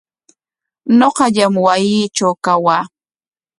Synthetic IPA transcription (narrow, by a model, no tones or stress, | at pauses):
noqɑʎamwajiːt͡ʃawkawaː